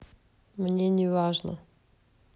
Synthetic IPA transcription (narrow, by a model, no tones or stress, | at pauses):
mnʲenʲɪvaʐnə̰